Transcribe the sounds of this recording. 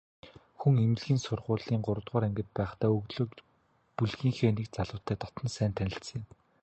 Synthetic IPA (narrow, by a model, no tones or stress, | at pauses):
xuŋemɘ̆ɮɣiːnsʊrʁʊːɮiːŋɢʊɾə̆t̪ʁʊːɾæŋɡɘ̆t̪̚pæːχt̪ʰæːɵɣɮɵ̆ː | puɮɣiːŋxeːnikt͡saɮʊ̆ːt̪ʰːæːt̪ɔt̪ɞ̆nsæːnt̪ʰænʲɪ̆ɬsə̆ŋɪ̆m